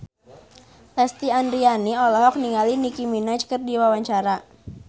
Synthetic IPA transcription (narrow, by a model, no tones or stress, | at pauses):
lɛst̪iandɾianiɔlɔɦɔk̚niŋalinikiminat͡ʃkərdiwawaɲt͡ʃaɾa